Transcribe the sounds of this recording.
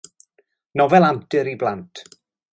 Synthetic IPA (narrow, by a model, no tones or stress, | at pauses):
nɔvɛlˠamtɨɾiblantʰ